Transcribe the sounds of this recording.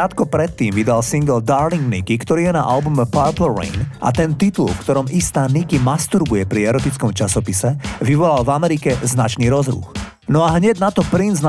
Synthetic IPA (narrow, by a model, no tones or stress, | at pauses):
at̪kɔpɾɛt̪ːiːmʋid̪alsiŋɡld̪aːɾliŋɡnikikt̪ɔɾiːjɛna̰ʔalbumɛpaɾplɛɾɛ̰nʔa̰t̪ɛnt̪it̪ulfkt̪ɔɾɔmist̪aːnikimast̪uɾbujɛpɾiɛɾɔt̪it͡skɔmt͡ʃasɔpisɛʋiʋɔlalvamɛɾikɛznat͡ʃniːɾɔzɾṵx | nɔaɦɲɛɟnat̪ɔpɾinzn